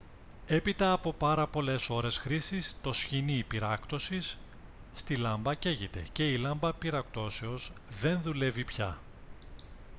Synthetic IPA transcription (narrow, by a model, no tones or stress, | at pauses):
e̞pit̪ɐːpo̞pɐɾɐpo̞le̞so̞ɾe̞sxɾisist̪o̞sçinipiɾɐkt̪o̞sisː | t̪ilɐmbɐce̞ʝit̪e̞̰ce̞ilɐmbɐpiɾɐkt̪o̞se̞o̞zðe̞nðule̞vipçɐ̰